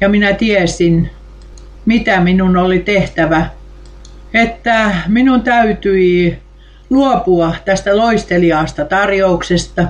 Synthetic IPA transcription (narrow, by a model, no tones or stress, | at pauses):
jɑminæt̪iæesin | mit̪æminunolit̪eht̪æʋæ | et̪ːæminunt̪æyt̪yi | luopuɑt̪æst̪æloist̪eliɑˑːst̪ɑt̪ɑrjouksest̪ɑ